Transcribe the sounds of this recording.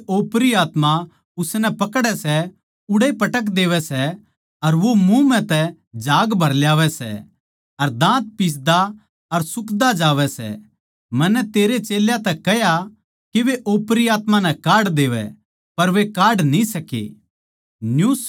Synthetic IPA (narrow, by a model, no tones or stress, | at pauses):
oːpɾiaːt̪ma | ʊsnɛpɐkɽɛsɛ | ʊɽepɐʈək̬d̪eːʋɛsɛ | ɐɾʋomũmɛ̃t̪ɛ | d͡ʒaːɡbʱɐɾljaːʋɛsɛ̰ | ɐɾd̪ãːt̪̚pis̬d̪a | ɐɾsʊkd̪ad͡ʒaːʋɛsɛ̰ | mɐnːɛt̪eːɾet͡ʃeːljat̪ɛkɛja | kiʋeʔoːpɾiaːt̪manɛkaːɽd̪eːʋɛ̰ | pɐɾʋekaːɖnĩsɐkḛː | njus